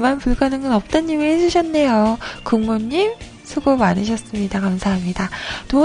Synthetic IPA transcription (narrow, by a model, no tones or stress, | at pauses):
manpuɭɡanɯŋɡʌnʌp̚t͈ʌɲːimihed͡ʑuɕʰʌnːe̞jokɯŋmoɲːim | sʰuɡomanɯɕ̬ʰʌs͈ɯmɲidakamsʰaɦamɲidato